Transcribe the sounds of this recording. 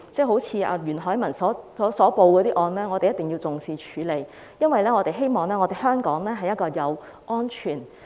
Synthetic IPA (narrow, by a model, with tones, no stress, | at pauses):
t͡sɛː˥˩ɦo˨˥wt͡sʰiː˧ʔɐ̰ː˧jyː˨˩nɦɔː˨˥jmɐ˨˩nsɔː˨˦˥sɔː˨˥sɔː˨˥po˧wkɔː˨˧ɾiː˥ʔɔː˧nlɛː˥ŋɔː˨˧e˨jɐ˥t̪ɪ˨ŋji˧wt͡sʊ˨ŋsiː˧t͡ʃʰyː˨˧˥le˨˧j | jɐ˥nwɐ˨jlɛː˥ŋɔː˨˧t̪e˨jɦe˥jmɔː˨ŋlɛː˥ŋɔː˨˧e˨˩hœː˥ŋkɔː˨˥ŋlɛː˥ɦɐ˨jɐ˥t̚kɔː˧jɐ˨˧w | ʔɔː˥nt͡ʃʰyː˨˩n